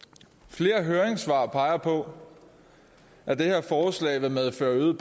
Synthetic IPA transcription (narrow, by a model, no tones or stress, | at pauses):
fle̝ːɐɦøːɐeŋsʋɑ̰̈pʰɑ̈ɪɐpʰɒ̽ | æɐd̥e̝he̝ɐ̰fɒːslɛ̰ːɪʋemeðˠføɐyðˠb̥